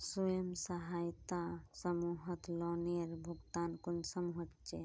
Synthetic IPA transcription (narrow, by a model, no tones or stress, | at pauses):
sujəmsɐɦaːjt̪asəmuɦət̪lɔneɾbʱuɡt̪aːnkunsəmuɦət̪t͡ʃe